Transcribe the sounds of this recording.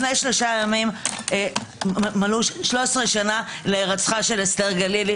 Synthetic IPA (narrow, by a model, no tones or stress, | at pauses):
nejʃlo̞ʃajamim | maluʃlosʁeʃanaleːʁat͡sχaʃe̞lesteʁɡalili